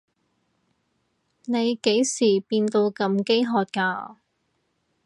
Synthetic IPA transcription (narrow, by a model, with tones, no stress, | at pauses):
ne˨˧jke˨˥jsiː˨˩piː˧nt̪o˧wkɐ˧mke˥jɦɔː˧t̚kaː˧